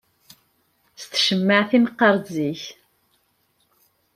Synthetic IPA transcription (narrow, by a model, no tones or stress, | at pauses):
st̪ʃəmːaʕθinqːɑɾˤziç